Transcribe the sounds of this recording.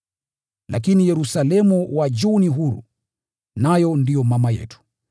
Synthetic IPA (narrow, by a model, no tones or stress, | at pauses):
lʔa̰k̬inijɛɾusalɛmuwad͡ʒuniɦuɾṵ | najɔndijɔmamajɛ̰tu̥